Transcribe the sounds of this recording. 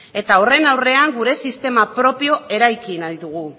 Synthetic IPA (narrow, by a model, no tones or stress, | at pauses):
e̞t̪aore̞nawre̞aŋɡuɾe̞sist̪e̞mapɾo̞pio̞e̞ɾajkinaðit̪uɣ̞u